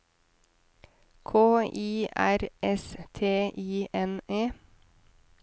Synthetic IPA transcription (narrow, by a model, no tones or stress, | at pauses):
kʰoːiːʔæɾʔɛst̪ʰeːʔiːʔɛneː